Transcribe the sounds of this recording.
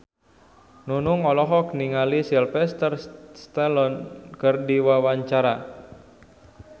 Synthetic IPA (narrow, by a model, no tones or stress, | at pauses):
nunʊŋɔlɔɦɔk̚niŋalisilfɛst̪ərst̪ɛlɔnkərdiwawaɲt͡ʃaɾa